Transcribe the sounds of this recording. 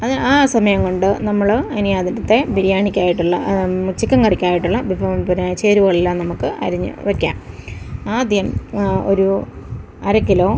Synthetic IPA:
ɐðɨaːsɐmɐjɐŋkoɳɖɨnɐmːɐɭɐnijaːd̪ɐnɐt̪ːe̞biɾijaːɳikʲːaːjiʈːuɭːɐ̰mut͡ɕːikʲːɐŋkɐrikʲːaːjiʈːuɭːɐbifoɳpɐɾnajt͡ɕːeːɾuɣɐɭilːanɐmukːɨʔɐ̰ɾiɲːɨ̰ʋɐkʲːa̰ːmaːd̪ʱjɐmo̞̰ɾu | ɐɾɐkːilo̞ː

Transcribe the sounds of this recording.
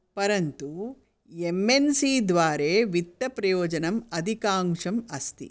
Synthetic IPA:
pɐɾɐnt̪u | emːensiːd̪ʋaːɾeːʋit̪ːɐpɾɐjoːd͡ʒɐnɐmɐd̪ʱikaːmʂɐmɐst̪ḭ

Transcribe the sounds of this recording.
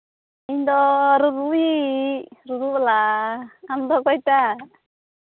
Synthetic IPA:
ind̪ɔɾuɾui | ɾuɾubla | amd̪ɔkɔjt̪a

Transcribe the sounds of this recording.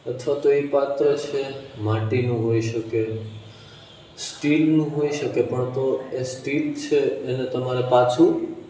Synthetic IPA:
ət̪ʰʋat̪oepat̪ɾət͡ʃʰemãʈinũɦoiʃəke | sʈilnũɦoiʃəkepəɳt̪oesʈilt͡ʃʰeːnet̪əmaɾepat͡ʃʰũ

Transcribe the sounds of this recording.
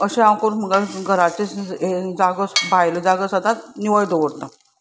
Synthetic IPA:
əɕẽakoɾm̤əɡaɡʱəɾat͡ɕet͡sed͡zaɡəsbajləd͡zaɡəsəd̪at̪niʋəjd̪oʋəɽt̪a

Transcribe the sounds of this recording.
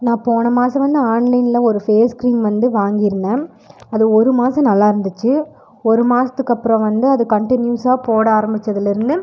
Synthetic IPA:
nãːpoːɳɐmaːsɐ̃ʋɐnd̪ɯaːnlɐɪnɪlɐɔɾɯfeːskɾiːnʋɐnd̪ɯʋaːŋɡɪɾɯnːɐ | ɐðɯɔɾɯmaːsɐ̃nɐlːaːɪɾɯnd̪ɯt͡ʃːɯ | ɔɾɯmaːsɐt̪ːɯkːɐpːɯɾɔ̃ʋɐnd̪ɯɐðɯkɐɳʈɪnjuːsaːpoːɽɐaːɾɐmbɪt͡ʃːɐðɪlɪɾɯnd̪ɯ

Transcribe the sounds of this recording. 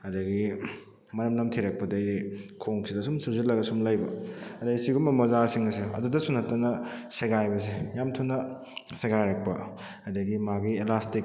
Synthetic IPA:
ɐdɐɡi | mɐɾɐmnɐmtʰiɾɐk̚pɐdɐjdikʰoŋsidɐsumsuwzilːɐɡɐsumlajbɐɐdɐisiɡumɐmɐzasiŋɐseɐ̰dudɐsunɐtːɐnɐseɡajbɐs̬ejamtʰunɐ | seɡajɾɐk̚pɐ | ɐdɐɡimaɡielastik̚

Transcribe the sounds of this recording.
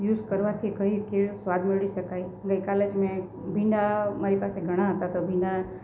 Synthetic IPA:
juːzkəɾʋat̪ʰikəɦikeɭsʋad̪ʱmeɭiʃəkaiɡəjkaled͡ʒmɛ̃ | bʱĩɳɖamaɾipaseɡʱəɽ̃aɦət̪at̪obʱĩɳɖa

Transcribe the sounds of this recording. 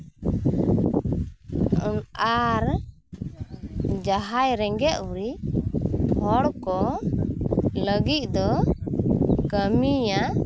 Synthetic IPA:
unaɾ | d͡ʒaɦajɾɛŋɡɛʔuɾi | hɔɽkɔ | ləɡic̪̚ˀd̪ɔ | kəmija

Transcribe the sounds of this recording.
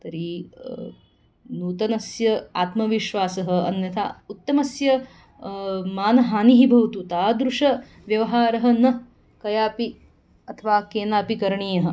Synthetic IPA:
t̪ɐɾi | nuːt̪ɐnɐsjɐa̰ːt̪mɐʋiʃʋaːsɐɦɐɐ̰nːjɐt̪ʰa̰ut̪ːɐmɐsjɐ | maːnɐɦaːniɦibʱɐwt̪ut̪aːd̪ɾuʂɐ | ʋjɐʋɐɦaːɾɐɦɐ̆nɐ | kɐjaːpi | ɐt̪ʰɐʋaːkeːnaːpikɐɾɐɳiːjɐɦɐ̆

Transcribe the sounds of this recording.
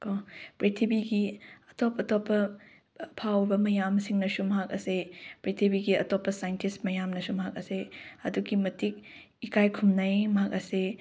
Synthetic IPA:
kopɾitʰibiɡiɐtɔpɐtɔpːɐ | pʰawbɐmɐjamsiŋnɐsumɐɦak̚ɐ̰sepɾitʰibiɡiɐtɔpːɐsajntismɐjamnɐsumɐɦak̚ɐ̰seɐduɡimɐtik̚ | ikajkʰumnɐjmɐɦak̚ɐse

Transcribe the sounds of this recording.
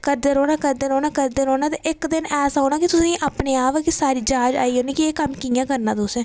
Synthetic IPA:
kəɾd̪eɾoːnaːkəɾd̪eːɾoːnaːkəɾd̪eɾoːnãːt̪eːʔɪkd̪ɪnɛːsaoːnaːkɪt̪ʊsĩːʔaːpneːaːpːkisaːɾiːd͡ʒaːd͡ʒa̰ːiːɦoːneːkɪeːkəmkijãːkəɾnaːt̪ʊsɛ̃ː

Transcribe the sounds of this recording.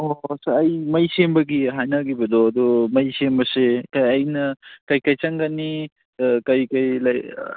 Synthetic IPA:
osɐjmɐjsembɐɡiɦajnaɡibɐd̪ɔɐd̪ɔmɐjsembɐsekɐjɐjnɐkɐjkɐjt͡ʃaŋɡani | kɐjkɐjlaj

